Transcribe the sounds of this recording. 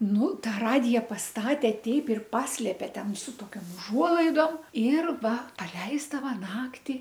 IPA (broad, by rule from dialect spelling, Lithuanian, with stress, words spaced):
ˈnʊ ˈtɑː ˈrɑːdʲɪjɛ pɐsˈtɑːtʲɛ ˈtʲɛɪp ɪr ˈpɑːsʲlʲeːpʲɛ ˈtʲɛn sʊ toːˈkʲoːm ʊˈʒuɔlˠɐɪdoːm ɪr ˈʋɐ pɐˈlʲɛɪzdɐʋɐ ˈnɑːktʲɪ